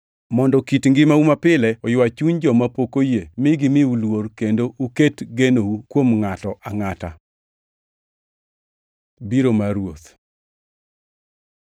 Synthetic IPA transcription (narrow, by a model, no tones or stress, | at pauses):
mɔndɔkitŋɡɪmaumapɪlɛɔjwat͡ʃuɲd͡ʒɔmapokojemɪɡɪmɪulworkendouketɡenoukwomŋatɔʔaŋata | biɾomaɾwot̪